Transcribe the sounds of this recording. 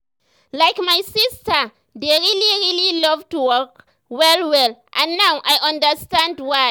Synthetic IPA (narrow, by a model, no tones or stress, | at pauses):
lajkmajsistə | deɹiliɹililɔvtuwɔk | wɛlwɛlʔãnːawʔajʔãndəstãndwa